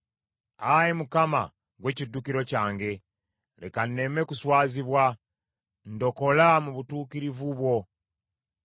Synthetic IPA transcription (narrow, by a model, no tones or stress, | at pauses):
ajimukama̰ | ɡwe̞cidːukiɾo̞caːŋɡe̞ | le̞̰kanːe̞me̞kuswaːziβwa | ndo̞ko̞lamuβutuːkiɾivuβwo̞